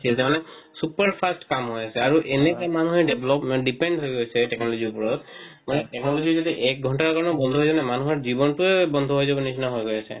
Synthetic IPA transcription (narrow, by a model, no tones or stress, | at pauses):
iasɛmanɛ | supaɹpʰastkamɦojasɛaɹuʔenɛkamanuɦɛɹɖebʱlɔpmɛnɖipɛndɦojɡojsɛʈɛknɔlɔziupɔɹɔt̪ | manɛʈɛknɔlɔzizadiʔɛk̚ɡʱɔntaɹakaɹɔnɔbɔnd̪ʱɔɦojznɛmanuɦɔɹzibɔntuɛbɔnd̪ʱɔɦojzabɔnisinɔɦojɡojasɛ̰